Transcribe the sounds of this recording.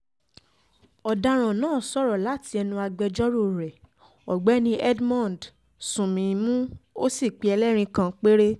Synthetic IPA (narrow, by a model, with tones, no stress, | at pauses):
ɔ˨da˧ɾ̃ã˨nãː˦˨sɔ˦ɾɔ˨la˨˦ti˧˦ɛ˧nũ˧a˧ɡ͡bɛ˧d͡ʒɔ˦ɾo˦˨ɾɛ˨ | ɔ˨ɡ͡bɛ˨˦nĩ˦ɛ˦dmã˦˨d | sũ˨mĩ˨˧mũ˦o˦si˦˨k͡pi˨˦ɛ˧lɛ˦ɾ̃ĩ˧kã˧k͡pe˦ɾe˦